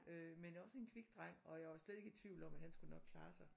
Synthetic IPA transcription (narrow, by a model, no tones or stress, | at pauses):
ømenjɒ̽se̝nkʰʋiɡ̥d̥ʁaŋ̰ɒ̽jɑʋɑ̈sleð̥ˠe̝ɡəit͡sʰʋ̥iʊ̰lɒ̽mæd̥hænsɡ̥unɒ̽ɡ̥̚kʰlɑ̈ːsɑ̈ɪ